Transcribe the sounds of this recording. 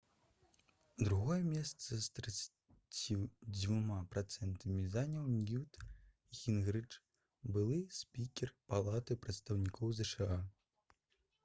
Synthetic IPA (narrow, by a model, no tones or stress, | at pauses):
d̪ɾuɣɔjɛmʲɛst̪sɐst̪ɾɛt̪s | t͡sʲid͡zʲvumapɾat̪sɛnt̪ɐmʲizanʲɐwnʲjut̪ | ixʲinɣɾɨt͡ʂ | bɨlˠɨsʲpʲikʲɛrpalˠat̪ɨpɾɐt̪st̪ɐwnʲikʰɔwzɛʂɨa